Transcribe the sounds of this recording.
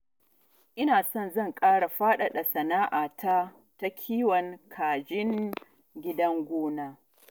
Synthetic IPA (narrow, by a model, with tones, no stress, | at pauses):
ʔɪ˦naː˨sɔ˦˨nzɐ˦˨ŋkʼaː˦ɽa˨ɸaː˦ɗa˨ɗɐ˨sɐ˨naː˦ʔaː˨tʰa˦ | ta˦kʲʰiː˦wɐ˨ŋkʰaː˨d͡ʒɪ˦ŋ | ɡʲɪ˦dɐ˦ŋɡʷoː˦naː˦